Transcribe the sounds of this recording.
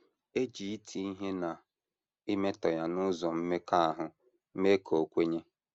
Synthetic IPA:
e˦d͡ʒi˨i˦tʰi˦i˦ɦe˦na˨ | ɪ˦me˦tɔ˨ja˨nʊ˦zɔ˨m̩˦me˦ka˦a˨ɦʊ˨ | m̩˦me˦kʰo˨o˨kʷe˦ɲe˦

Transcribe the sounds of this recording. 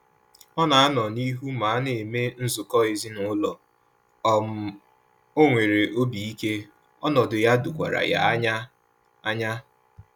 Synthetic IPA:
ɔ˦na˨a˦nɔ˨ni˦ɦu˦ma˨a˦ne˨e˨me˦n̩˦zʊ˨kɔ˦e˨zi˦nʊ˨ʊ˦lɔ˨ | ɔ˨m̩˨ | o˦ŋʷe˨ɾe˨ʔo˦bi˨i˦ke˦ | ɔ˦nɔ˨dʊ˨ja˦dʊ˨kʷa̰˨ɾa̰˨ja̰˦ɲa˦ | a˦ɲa˦

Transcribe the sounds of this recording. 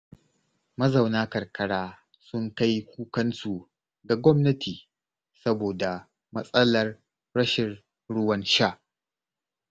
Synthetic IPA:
mɐ˦za˨wnaː˦kɐ˨rkɐ˨ɽaː˦ | sʊ˦ŋka˦jkʷuː˦kɐ˦nsu˨ | ɡa˨ɡʷɔ˦mnɐ˦tʰiː˨ | sɐ˦boː˨da˨ | mɐ˦sʼɐ˦lɐ˨r | ɽɐ˦ʃɪ˨r | ɽʊ˦wɐ˦nʃa˦˨ʔ

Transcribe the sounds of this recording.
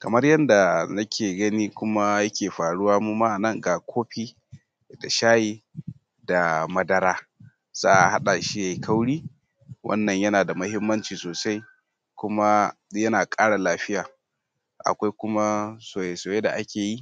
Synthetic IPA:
kɐ˨mɐ˦rjɐ˦nda˨nɐ˦kʲʰeː˨ɡɐ˦niː˦kʷʊ˦ma˦jɐ˦kʲeː˨ɸaː˨ɽʊ˦waː˦mu˦ma˦ʔa˨nɐ˦˨ŋɡa˨kʷʰoː˦ɸiː˦ | da˨ʃaː˦jiː˦ | da˨mɐ˦dɐ˦ɾaː˦ | z̥a̰ː˦ʔa˨ha˦ɗa˨ʃi˦ja˨ji˦kʰa˦wɽiː˦ | wʔɐ̰˦nːɐ˨ɲjɐ˦naː˨da˨mɐ˦hɪ˦mːɐ˦nt͡ʃiː˨soː˨sa˦j | kʷʊ˦ma˦jɐ˦naː˨kʼaː˦ɽa˨laː˦ɸɪ˦jaː˨ | ʔa̰˨kʷa˦jkʷʊ˦ma˦soː˨je˨soː˨je˦da˨ʔa˦kʲeː˨ji˦

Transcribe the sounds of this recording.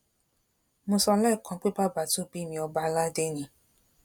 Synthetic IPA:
mõ˧sɔ˧lɛ˦˨kã˨˧˦k͡pe˦ba˦˨ba˦˨to˦˨bi˦mĩ˧ɔ˧ba˦˧la˦de˦nĩ˧˦

